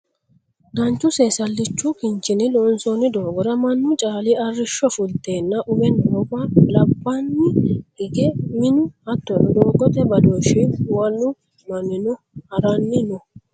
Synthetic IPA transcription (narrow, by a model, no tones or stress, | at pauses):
ɡɐnt͡ʃːʊseːsɐlːɪt͡ʃːʊkɪnt͡ʃːɪnɪlɔnsonɪd̪oːɡɔɾɐmɐnːʊt͡ʃʼaːlɪɐrːɪʃːɔfʊlt̪ːe̞ːnːɐʔʊbɛndoːkʼalɐbːɐnːɪɡɪɡɛmɪnʊɐt̪ːɔɔd̪oːɡɔt̪ɛbɐd̪oːʃɪwɐlːʊ | mɐnːɪnɔ | hɐɾɐnːɪnɔ